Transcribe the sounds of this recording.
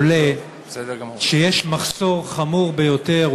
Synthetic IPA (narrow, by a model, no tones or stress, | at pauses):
le | ʃejeʃmaχso̞ʁχamuʁbejo̞teʁ